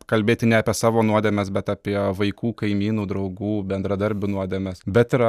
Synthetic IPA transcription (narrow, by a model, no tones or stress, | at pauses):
kɐlʲbʲeːt̪ʲɪnʲɛɑːpʲiɛsɑːʋoːnuɔd̪ʲɛːmʲɛsbʲɛt̪ɑːpʲiɛʋɐɪkuːkɐɪmʲiːnuːd̪ɾɐʊɡuːbʲɛnd̪ɾɐd̪ɐɾʲbʲuːnuɔd̪ʲeːmʲɛsbʲɛt̪ɪɾ